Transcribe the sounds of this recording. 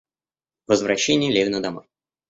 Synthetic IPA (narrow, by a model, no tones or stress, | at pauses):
vəzvɾɐɕːenʲɪjəlʲevʲɪnəd̪ɐmoj